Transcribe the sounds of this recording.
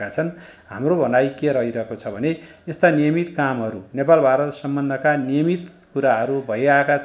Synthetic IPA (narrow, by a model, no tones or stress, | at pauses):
kat͡sʰʌn | ɦamrobʱʌnajkeɾʌɦiɾʌɦekot͡sʰʌbʱʌne | est̪anijʌmit̪kamɦʌɾunepalbʱaɾʌt̪sʌmbʌnd̪ʱʌkanijʌmit̪ | kuɾaɦʌɾubʱʌjaeka